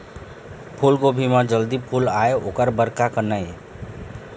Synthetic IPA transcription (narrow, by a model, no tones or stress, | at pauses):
pʰulɡobʱimãd͡ʒəld̪ipʰulaeokəɾbəɾkakənae